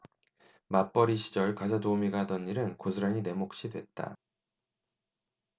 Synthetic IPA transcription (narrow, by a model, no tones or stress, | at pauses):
map͈ʌɾiɕʰid͡ʑʌɭkas̬ʰʌdoumiɡaadʌniɾɯnkosʰɯɾaɲine̞mok̚ɕ͈idwe̞t̚t͈a̰